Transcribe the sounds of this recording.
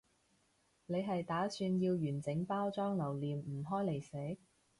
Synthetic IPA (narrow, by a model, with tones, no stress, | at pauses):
le˨˧jɦɐ˨jt̪aː˨˥syː˧njiː˧wjyː˨˩nt͡sɪ˨˥ŋpaː˥wt͡sɔː˥ŋlɐ˨˩wliː˨mm̩˨˩ɦɔː˥jle˨˩jse˨˥